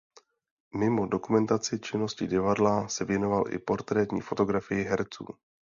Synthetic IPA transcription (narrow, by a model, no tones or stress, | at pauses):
mɪmo̞do̞kumɛnt̪at͡sɪt͡ʃɪno̞scɪɟɪvadlasɛvjɛnovalʔɪ̰po̞ɾt̪ɾɛːt̪ɲḭːfo̞t̪o̞ɡɾafɪjɪɦɛɾt͡sṵː